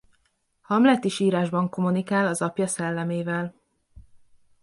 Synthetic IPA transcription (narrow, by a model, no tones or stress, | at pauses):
hɒmlɛt̪iʃiːɾaːʒbɒŋko̞munikaːlɒzɒpjɒsɛlːɛmeːvɛl